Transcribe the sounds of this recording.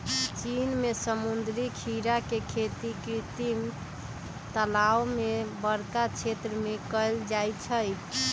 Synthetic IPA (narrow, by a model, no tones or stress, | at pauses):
t͡ʃinmesəmund̪ɾikʰiɾakekʰet̪ikɾit̪im | t̪əlawmebəɾkat͡ʃʰet̪ɾəmekəjld͡ʒajt͡ʃʰəj